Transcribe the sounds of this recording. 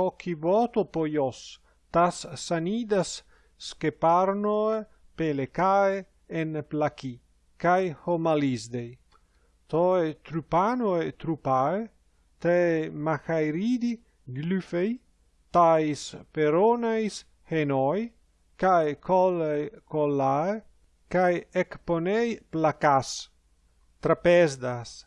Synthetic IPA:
ɔkʰibɔt̪opojɔs | t̪asːanid̪asː | kepaɾnoe | pelekae | enplaki | kajhomalizd̪ej | t̪ɔet̪ɾupanoet̪ɾupae | t̪emaxajɾid̪i | ɡlyfej | t̪ajspeɾonajs | henɔj | kajkʰɔlejkolːae | kajekponejplakas | t̪ɾapezd̪as

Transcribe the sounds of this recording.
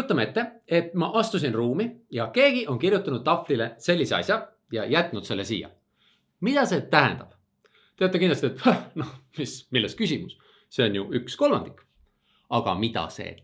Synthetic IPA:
jut̪ːˑɑmee̞t̪ːe̞e̞t̪ˑmɑʔɑst̪us̬inruːmijɑke̞ːɡ̥iʔo̞nkirjut̪ːˑɑnud̪̥ːɑflile̞se̞lʲːiseɑ̰sʲjɑ | jɑjæt̪ːˑnud̪se̞lːesḭjɑ̰ | mid̪̥ɑse̞ːt̪æɦæ̰nd̪̥ɑb̥ | t̪et̪ːˑekinlɑst̪iet̪hænohmismilːest̪̚kysimus | se̞o̞njuyksko̞lmɑ̰nd̪̥ikː | ɑɡ̥ɑ̰mid̪ɑ̰se̞̰ː

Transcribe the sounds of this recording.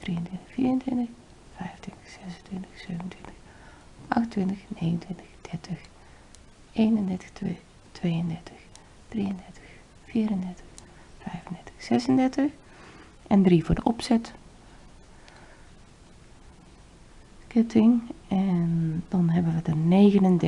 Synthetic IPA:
d̥riəntʋɪntəxfiːrəntwɪntəx | fɛjntʰʋɪntəxsɛsəntʋɪntəxsøːvn̩twɪntəx | ʔɑxtntʋɪntəxneːɣən̩tʋɪntəxd̥ɛɹtʰəx | ʔeːnəndɛɹtə̥x | tʰʋeːəndɛɹtʰəx | d̥riəndɛɹtəx | fiːɾəndɛɹtə̥x | fɛjvəndɛɹtə̥xsɛsəndɛɹtəx | ʔɛndrivʊːdəʔɔpsɛt | kɪtʰɪŋɛndɑnɦɛbənʋədəneːɣənəndɛ

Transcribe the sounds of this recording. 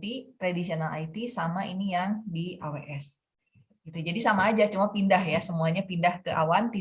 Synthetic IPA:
t̪it̪ɾadisionalʔa̰jt̪isamaʔinijaŋdiʔaweʔɛs | ɡit̪ud͡ʒadisamaːd͡ʒat͡ʃumapindahjasəmuaɲapindahkəʔa̰want̪i

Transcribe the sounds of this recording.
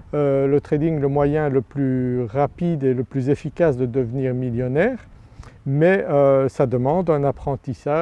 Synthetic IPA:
ølət̪χed̪iŋləmwajɛ̃ləplyʁapid̪eləplyzefikʲasd̪əd̪əvniːʁmiljɔnɛːʁ | mɛøsad̪əmɑ̃d̪ɛ̃napχɑ̃t̪isa

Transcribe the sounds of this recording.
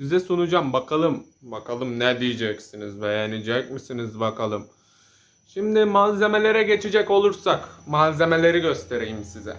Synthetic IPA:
sizɛsunud͡ʒambakʰalˠɯm | bakʰalˠɯmnɛd̪ijid͡ʒɛcsinizbejɛnid͡ʒɛc̚misinizbakʰalˠɯm | ʃimd̪ɪmaze̞me̞lʲe̞ɾɛɟe̞t͡ʃʰid͡ʒɛco̞lˠuɾsakmaze̞me̞lʲe̞ɾiɟø̞st̪ʰe̞ɾejimsizɛ̰

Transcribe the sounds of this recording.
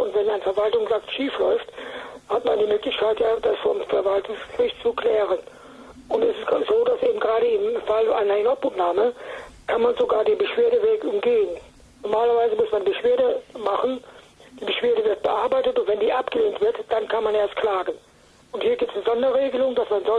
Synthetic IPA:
ʔʊntv̥ɛnaɪnəfɛɐvaltʊŋzaktʃiːflɔʏfthatmandiːmøːklɪçkʰaɪtjaːd̥asfɔmfɛɐvaltʊŋsʁ̥ɪçt͡sukl̥ɛːʁən | ʔʊntɛsɪszoːdasʔeːbm̩ɡʁaːɾəɪmfala̰ɪnɐɪnɔpumnaːməkʰanmanzoɡaːɐdeːnbəʃv̥eːɐdəveːkʊmɡeːən | nɔɐmaːlɐvaɪzəmʊsmanbəʃv̥eːɐdəmaχənd̥iːbəʃv̥eːɐɾəvɪɐt̚b̥əʔaɐbaɪtətʊntv̥ɛndiːʔapɡ̥əleːntv̥ɪɐtd̥ankʰanmaneːɐstkʰl̥aːɡən | ʔʊnthiːɐɡiːp̚tsnəzɔndɐʁeːɡəlʊŋd̥asmanzɔ

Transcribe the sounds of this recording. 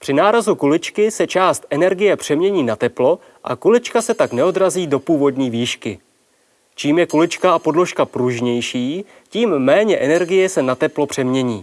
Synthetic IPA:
pr̝̥ɪnaːɾazukulɪt͡ʃkɪsɛt͡ʃaːst̪ʔɛnɛɾɡɪjɛpr̝̥ɛmɲɛɲiːnat̪ɛplo̞ | ʔa̰kulɪt͡ʃkasɛt̪aknɛo̞dɾaziːdo̞puːvo̞dɲiːviːʃkɪ | t͡ʃiːmjɛkulɪt͡ʃkaapo̞dlo̞ʃkapɾuʒɲɛjʃiː | ciːmːɛːɲɛʔɛnɛɾɡɪjɛsɛnat̪ɛplo̞pr̥ɛmɲɛɲiː

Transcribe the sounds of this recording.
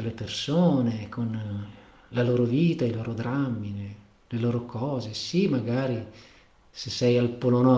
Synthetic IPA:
elepersoːnekʰon | laloːɾoviːt̪ailoːɾod̪ɾamːine | leloːɾokʰɔːzesimaɡaːɾi | sesːɛjalpolonɔ

